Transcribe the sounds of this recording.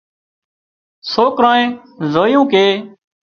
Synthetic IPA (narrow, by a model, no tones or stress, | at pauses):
soːkɾãːẽːzoːjũːkeː